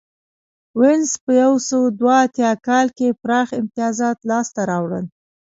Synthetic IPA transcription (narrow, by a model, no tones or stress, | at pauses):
wɪnspəjawsəwd̪waːt̪jɑkɑlkepɾɑxɪmt̪ɪjɑzɑt̪lɑst̪aɾɑwɽən